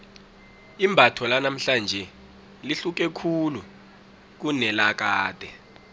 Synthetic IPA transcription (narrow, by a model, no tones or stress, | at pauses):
imbʱatʰɔlanam̩ɬand͡ʒʱɛ | liɬuk̬ɛkʰulu | k̬unɛlak̬aːd̥ʱɛ